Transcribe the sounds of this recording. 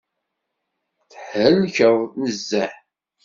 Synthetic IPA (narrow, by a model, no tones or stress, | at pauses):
θəħhəlçəʁnəzːæħ